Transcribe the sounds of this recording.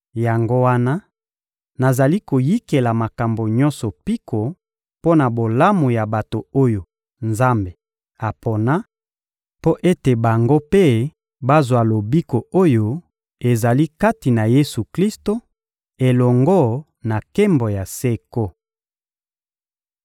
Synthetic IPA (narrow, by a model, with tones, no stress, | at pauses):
ja˨ŋɡo˦wa˦na˦ | na˨za˨li˦ko˨ji˦ke˨la˨ma˨ka˨mbo˨ɲɔ̃˦nsɔ˨pi˦kʰo˨ | po˦na˨bo˨la˦mo˨ja˨ba˨to˨o˦jo˨ | nza˦mbe˨ | a˨po˨na˦ | po˦ʔe˦te˨ba˨ŋɡo˦pe˦ | ba˦zwa˨lo˨bi˦ko˨o˦jo˦ | e˨za˨li˦ka˦ti˨na˨je˦su˨kli˦sto˦ | e˨lɔ˨ŋɡɔ˦ | na˨ke˦mbo˨ja˨se˦ko˦